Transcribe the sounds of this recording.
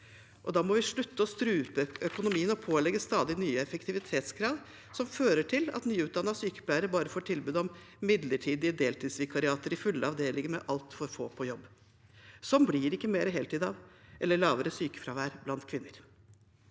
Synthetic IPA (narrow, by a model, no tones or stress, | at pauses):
ʔɔd̪ɑːmɔʋɪʂɭʉt̪ːəɔst̪ɾʉːpəœkʊnʊmiːənɔpʰoːlɛɡːəst̪ɑːd̪ɪnyːəɛfəkt̪ʰɪʋɪt̪ʰeːt̪skʰɾɑːd̪ | sɔmføːɾəʈʰɪlɑ̰t̪nyːʉːt̪̚d̪ɑnːɑsyːkə̥pʰlæɪɾəbɑːɾəfoːʈʰɪlbʉːd̪ɔm | mɪd̪ləʈʰiːd̪ɪəd̪eːlt̪ʰiːd̪sʋɪkʰɑɾɪɑːt̪əɾɪfʉlːəɑʋd̪eːlɪŋəmɛ̰ʔɑlt̪fɔɾfo̰ːpʰɔjɔbː | sɔmblɪɾɪkːəmeːɾəɦeːlt̪ʰiːd̪ɑʋʔɛlːəɭɑːʋəɾəsyːkə̥fɾɑːʋæːɾblɑnt̪kʰʋɪnːəɾ